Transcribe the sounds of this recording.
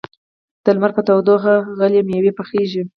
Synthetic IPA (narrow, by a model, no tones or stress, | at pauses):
d̪̥əlmaɾkat̪awd̪oxaɣalemjawepəxeʒi